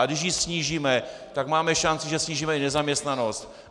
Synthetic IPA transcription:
aɡdɪʃ̬jisɲiːʒiːmɛt̪akmaːmɛʃant͡sɪʒɛsɲiːʒiːmɛɪnɛzamɲɛst̪nano̞st̪

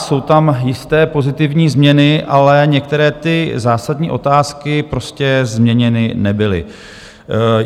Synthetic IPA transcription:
so̞wt̪amjɪst̪ɛːpo̞zɪt̪ɪvɲiːzmɲɛnɪʔalɛɲɛk̚t̪ɛɾɛːt̪ɪzaːsad̪ɲiːʔo̞t̪aːskɪpɾo̞scɛzmɲɛɲɛnɪnɛbɪlɪ̰

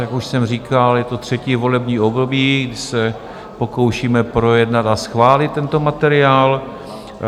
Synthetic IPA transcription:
akuʃsɛmriːkaljɛt̪o̞t̪r̝̥ɛciːvo̞lɛbɲiːo̞bdo̞biːɡdɪsɛ | po̞ko̞wʃiːmɛpɾo̞jɛdnat̪asxvaːlɪt̪̚ːɛnt̪o̞mat̪ɛɾɪaːl

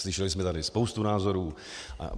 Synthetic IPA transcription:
slɪʃɛlɪsmɛt̪adɪspowst̪unaːzo̞ɾuː | ʔa̰

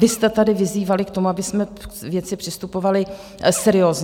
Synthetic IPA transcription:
vɪst̪ɛt̪adɪvɪziːvalɪkt̪o̞muabɪsmɛvjɛt͡sɪpr̝̥ɪst̪upo̞valɪ | sɛɾɪo̞ːz

